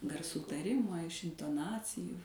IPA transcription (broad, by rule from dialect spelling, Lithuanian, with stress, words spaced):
ɡɐrˈsuː tɐˈrʲɪmoː ɪʃ ɪntoːˈnɑːt͡sʲɪjuː